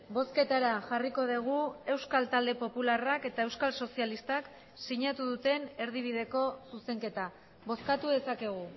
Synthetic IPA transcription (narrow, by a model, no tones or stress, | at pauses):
bo̞ske̞t̪aɾaʝariko̞ð̞eɣ̞ue̞wskalt̪ald̪e̞po̞pularake̞t̪aewskalso̞sialist̪ak | siɲat̪uðut̪e̞ne̞ɾðiβ̞iðe̞ko̞suse̞ŋke̞t̪a | βo̞skat̪uðe̞sake̞ɣ̞u